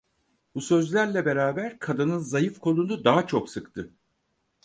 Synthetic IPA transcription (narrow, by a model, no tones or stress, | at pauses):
busø̞zlʲæɾlʲɛbe̞ɾaːbæɾkʰad̪ɯnɯnzajɯfkʰo̞lˠunud̪aɦat͡ʃʰoksɯkt̪ʰɯ